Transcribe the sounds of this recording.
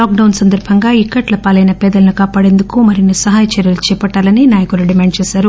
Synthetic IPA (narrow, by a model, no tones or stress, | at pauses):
laːk̚ɖɐwnsɐnd̪ɐɾbʱɐŋɡaːikːɐʈlɐpaːlɐjnɐpɛːd̪ɐlɐnikaːpaːɽe̞ːnd̪ukumɐɾinːisɐɦaːjɐt͡ʃɐɾjɐlut͡ʃɛːpɐʈːaːlɐninaːjɐkuluɖimaːɳɖ̚t͡ʃɛːsaːɾu